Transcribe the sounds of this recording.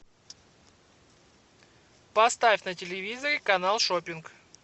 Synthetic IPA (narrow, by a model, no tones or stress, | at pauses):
pɐst̪afʲnətʲɪlʲɪvʲizəɾʲɪkɐnalˠʂopʲɪnk